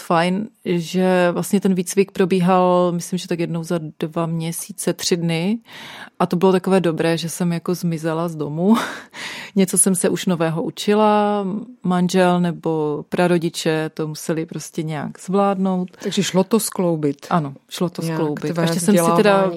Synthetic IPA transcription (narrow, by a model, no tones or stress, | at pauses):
fajnʒɛvlastɲɛt̪ɛnviːt͡svɪk̚pɾo̞biːɦalmɪslɪmʒɛt̪akjɛdnowzadvamɲɛsiːt͡sɛt̪r̝̥ɪdnɪ | ʔat̪obɪlo̞t̪ako̞vɛːdo̞bɾɛːʒɛsɛmjako̞zmɪzɛlazdomu | ɲɛt͡so̞sɛmsɛʔuʃnovɛːɦo̞ʔut͡ʃɪla | manʒɛlnɛbo̞pɾaɾo̞ɟɪt͡ʃɛt̪omusɛlɪpɾo̞scɛɲɛja̰ɡz̥vlaːdno̞wt̪aɡʒɛʃlot̪osklowbɪt̪ʔano̞ʃlot̪osklow̪bɪt̪aʃɛssɛmsɪɛda